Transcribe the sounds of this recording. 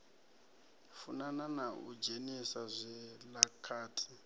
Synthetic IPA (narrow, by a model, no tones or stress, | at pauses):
funananaṵd͡ʒenisazʷɛlakʰaːtʰi̥